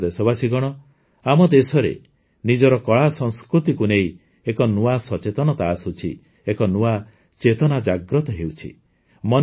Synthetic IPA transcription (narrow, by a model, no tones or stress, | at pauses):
d̪esɔbasiɡɔɽ̃ɔ | amɔd̪esɔɾḛ | nid͡ʒɔɾɔkɔɭasɔŋskɾut̪ikunei | ekɔnuasɔt͡ʃet̪ɔnɔt̪aːsut͡ʃʰḭ | ekɔnua | t͡ʃet̪ɔnad͡ʒaɡɾɔt̪ɔɦewt͡ʃʰḭ | mɔ